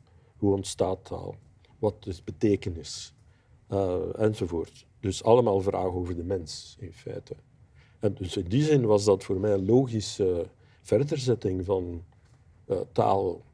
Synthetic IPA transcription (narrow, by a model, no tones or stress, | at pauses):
ɦuɔntstaːtʰːa̰ːlˠ | ʋɑt̚dəzbəteːkənɪs | ɛnzovoːrt | d̥ɵsɑləmaːlˠvra̰ːɣoːvərdəmɛnsɪnfɛ̰ːtə | ɛndɵsɪndizɪnʋɑzdɑtfoːrmɛːənloːɣisə | v̥ɛrdərzɛtɪŋvɑn | ta̰ːlˠ